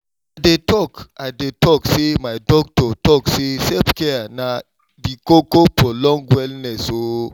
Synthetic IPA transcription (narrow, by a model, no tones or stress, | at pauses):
adetɔkadetɔksemajdɔk̚tɔtɔksesɛpkɛana | dikokopɹɔlɔ̃ŋɡwɛlnɛso